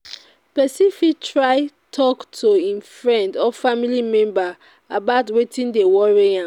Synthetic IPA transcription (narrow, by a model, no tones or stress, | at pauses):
pɛsifitʰɹaɪ | tʰɔktʰoĩnfɹɛ̃ndɔfamilimɛ̃mba | abaʊtwetĩndewɔɹiã